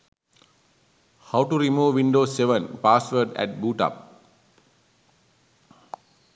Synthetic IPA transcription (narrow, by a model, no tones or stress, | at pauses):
haʊʈuɾimuːʋːĩnɖoːseʋə̃npaːsʋəɖɛ̰ʈ̚buːʈa̰p̚